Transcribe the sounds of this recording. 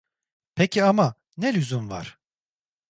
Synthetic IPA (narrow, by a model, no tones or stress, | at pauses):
pʰecʰiama | nelʲyzynva̰ɾ̥